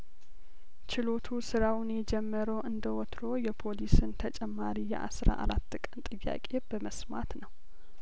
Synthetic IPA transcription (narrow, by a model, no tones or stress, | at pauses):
t͡ʃɪlo̞t̪ʰusɨɾawnjɛd͡ʒɛmːəɾəwʔɨnd̪əwɔt̪ɾo̞jɛpʰo̞lisɨnt̪ʰət͡ʃʼɛmːaɾijɛ̰ʔa̰sɾa̰ʔa̰ɾat̪ːkʼənt̪ʼɨjːa̰kʼe̞bəməsma̰t̪nəw